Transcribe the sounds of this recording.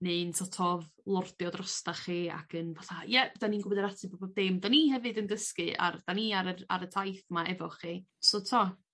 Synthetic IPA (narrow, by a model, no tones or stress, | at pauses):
nɨntʰɔtʰɔv | lˠɔrdjɔdrɔstaχiːa̰kʰənvaθajɛd̥aninɡʊbɔdəɾatʰɨbɔbɔb̚dɪmdanihɛvɨdəndəskɨa̰rd̥aniaɾəa̰ɾətʰajθmaɛvɔχiː | sotʰɔ